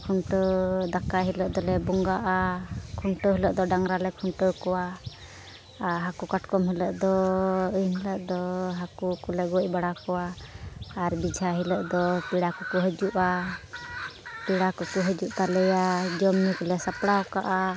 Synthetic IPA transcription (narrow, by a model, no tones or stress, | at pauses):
kʰuɳʈəd̪akaɦiləʔd̪ɔlɛbɔŋɡaʔakʰuɳʈəɦiləʔd̪ɔɖaŋɾalɛkʰuɳʈəkɔwa | ɦakukaʈkɔmɦɛləʔd̪ɔənɦɛləʔd̪ɔɦakukulɛɡoc̚ˀbaɽakɔwaː | ɾbid͡ʒʱaɦiləʔd̪ɔpiɽakɔkuɦəd͡ʒuʔa | piɽakɔkuɦəd͡ʒuʔt̪alɛjad͡ʒɔmnikɔlɛsapɽaɔka̰ʔa